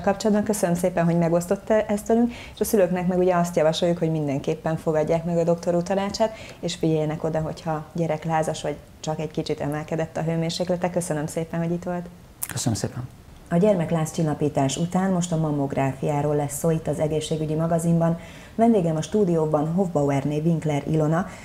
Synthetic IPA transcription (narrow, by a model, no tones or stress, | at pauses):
lkɒpt͡ʃolɒd̪bɒŋkø̞sønømseːpɛnɦo̞ɟmɛɡo̞st̪o̞t̪ːʔɛst̪ʋɛlyŋk | eʃɒsyløknɛkmɛɡuɟɛɒst̪jɒvɒʃo̞jːukho̞ɟmind̪ɛŋkeːpːɛɱfo̞ɡɒɟːaːkmɛɡɒd̪o̞kt̪o̞ɾut̪ɒnaːt͡ʃaːt̪ | eːʃfiɟɛjːɛnɛko̞d̪ɒɦo̞chɒɟɛɾɛklaːzɒʃʋɒɟ | t͡ʃɒkɛɟkit͡ʃit̪ɛ̰mɛlkɛd̪ɛt̪ːɒɦøːmeːrʃeːklɛt̪ɛkø̞sønømseːpɛnɦo̞ɟit̪ʋo̞lt̪ | køsənə̰msḛːpɛn | ɒɟɛrmɛklaːst͡ʃilːɒpiːt̪aːʃut̪aːnmo̞ʃt̪ɒmɒmo̞ɡraːfijaːɾoːlːɛsːoːit̪ːɒzɛɡeːʃːeːɡyɟimɒɡɒzimbɒn | vɛnd̪eːɡɛmɒʃt̪uːd̪ijoːbɒnɦo̞vbɒwɛrneviŋklɛɾḭlo̞nɒ